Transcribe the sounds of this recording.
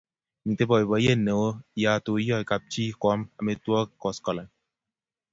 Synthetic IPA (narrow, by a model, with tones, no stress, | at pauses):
mi˨te˦bɔ˨i˨bɔ˨˦e˦˨ne˨wo˦ja˨to˨˦jɔ˦˨i˨ka˨p̚t͡ʃi˦kɔ˨˦ma˨me˨twɔ˦˨kɔ˨skɔ˨la˨